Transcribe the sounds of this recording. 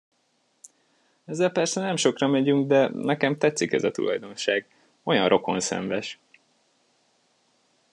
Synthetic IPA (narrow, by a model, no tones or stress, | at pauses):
ɛzːɛlpɛrsɛnɛmʃo̞krɒmɛɟyŋɡd̪ɛnɛkɛmt̪ɛt̪sikɛ̰zɒt̪ṵlɒjd̪o̞nʃaːɡ | o̞jɒnrʔo̞ko̞̰nsɛ̰ɱvɛʃ